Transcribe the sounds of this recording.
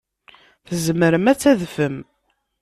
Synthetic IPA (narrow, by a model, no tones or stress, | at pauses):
θəzəməɾəmæt͡sːæðfəm